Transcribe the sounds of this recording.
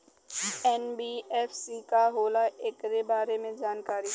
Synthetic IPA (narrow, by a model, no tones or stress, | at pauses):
ɛːnbiːɛːfsikaɦoːlaʔekɾebaːɾemẽd͡ʒaːnkaːɾi